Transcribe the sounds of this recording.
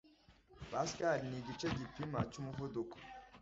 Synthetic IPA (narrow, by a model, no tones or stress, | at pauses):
baskaɾiniɡit͡ʃeɟipimat͡ʃumuvuduko̥